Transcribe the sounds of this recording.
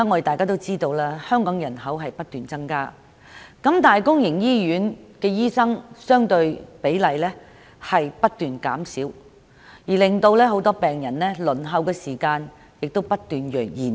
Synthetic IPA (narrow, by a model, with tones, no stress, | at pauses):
a˥ŋɔː˨˧˥e˨˩t̪aː˨jkaː˥t̪o˥wt͡siː˥t̪o˧wlaː˥hœː˥ŋkɔː˨˥ŋjɐ˨˩nɦɐ˨˥wɦɐ˨jpɐ˥t̚t̪yː˨nt͡sɐ˥ŋkaː˥ | kɐ˨˥mt̪aː˨˩jkʊ˥ŋjɪ˨˩ŋjiː˥jyː˨˥nkɛː˧jiː˥sɐ˥ŋsœː˥ŋt̪ɵ˧ɥpe˨˥jlɐ˨jlɛː˥ | hɐ˨jpɐ˥t̚t̪yː˨˩nkaː˨˥msiː˨˥w | jiː˨˩lɪ˨ŋt̪o˧wlɛː˥ɦo˨˥wt̪ɔː˥pɛː˨ŋjɐ˨˩nlɛː˥lɵ˨˩nɦɐ˨˧wkɛː˧siː˨˩kaː˧n | jɪ˨k̚t̪o˥wpɐ˥t̚t̪yː˨njœː˨˩k̚jiː˨˩n